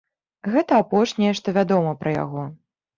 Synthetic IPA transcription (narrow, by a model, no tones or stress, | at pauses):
ɣɛt̪ɐapɔʂnʲɛjɛʂt̪ɔvʲad̪ɔmɐpɾɐja̰ɣɔ